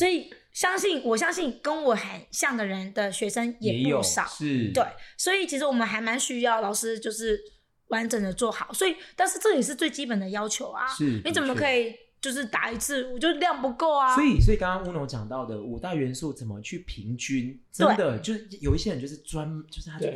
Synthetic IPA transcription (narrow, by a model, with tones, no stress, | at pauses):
swɔ˧˥i˨˩ | ɕjɑ˥ŋɕi˥˩nwɔ˨˩ɕ̬jɑ˥ŋɕi˥˩nkə˥nwɔ˨˩xə˨˩nɕjɑ˥˩ŋd̪ə˩ɻə˧˥nd̪ə˧ɕɥɛ˧˥ʂə˥ŋjɛ˨˧˦ɪpuo˨˥˩ʂɑ̰˨˩˦ʂ̩˥˩t̪we˥˩ɪswɔ˧˥i˨˩t͡ɕʰi˧˥ʂɻ̩˧˥wɔ˨˩mə˦nxa˧˥ɪma˧˥nɕy˥jɑ˥˩ʊlɑ˨˩ʊʂɻ̩˥t͡ɕjo˥˧ʊʂɻ̩˥˩ | wa˧˥nʈ͡ʂə˨˩ŋd̪ə˦t͡swɔ˥˩xɑ˨˩˦ʊswɔ˧˥i˨˩t̪a˥˧nʂɻ̩˥˧ʈ͡ʂɤ˥˩jɛ˨˩ʂ̬ɻ̩˥˧t͡swe˥˩ɪt͡ɕi˥pə˨˩nd̪ə˦jɑ˥ʊt͡ɕʰjo˧˥ʊɐ̰˧ʂ̩˥˩ni˧˥t͡sə˨˩mə˦kʰɤ˧˥i˨˩ | t͡ɕjo˥˧ʊʂɻ̩˥˩t̪a̰˨˩i˧˥t͡sʰɹ̩˥˩ɔ˨˩t͡ɕjo˥˧˥ljɑ˥˩ŋpu˧˥ko˥˩ʊɐ˩swɔ˧˥i˨˩swɔ˧˥i˨˩kɑ˥ŋkɑ˥ŋu˥no˧˥ŋt͡ɕjɑ˨˩ŋt̪ɑ˥˩ʊd̪ə˩u˨˩t̪a˥˩ɪɥɛ˧˦˥nsu˥˩t͡sə˨˩nmə˦t͡ɕʰy˥˩pʰi˧˥ŋt͡ɕy˥ntə˥we˦˥n˩d̪ə˨t͡ɕjo˥˧ʊʂ̩˥˩˥jo˨˩i˥ɕjɻnt͡ɕjo˥˧ʊʂɻ̩˥˩t͡swa˦nt͡ɕjo˥˧ʊʂ̩ʰ˥˩a˥˧˩